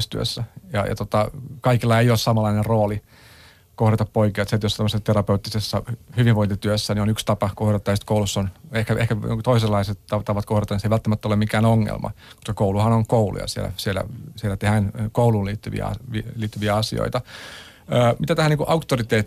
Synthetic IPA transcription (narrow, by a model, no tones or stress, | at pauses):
st̪yø̰sːæjɑ̰jɑ̰t̪ot̪ɑkɑikilːɑeiossɑmɑlːˑɑinerroːli | kohrɑt̪ɑppoikiɑt̪set̪jost̪æmøsesːt̪erɑpeut̪ːisesːɑhyʋiʋʋoint̪it̪yøsːænionykst̪ɑpɑkohrɑt̪ːɑjɑsi̥t̪koulusːonehkæʔḛhkæ̰t̪oiselːɑiset̪t̪ɑt̪ɑʋɑt̪kohrɑt̪ɑniseiʋælt̪ːæmæt̪ːolemikæːnoŋːḛlmɑ̰ | ko̥skɑkouluhɑnoŋkoulṵjɑ̰siḛlæ̰sielæ̰sielæt̪ehænkouluːliːt̪ːyʋḭæ̰ɑ̰ʋiliːt̪ːyʋiæɑsḭo̰it̪ɑ | əːmit̪æt̪æhæniːŋkuʔɑukt̪ːorit̪eːt̪ː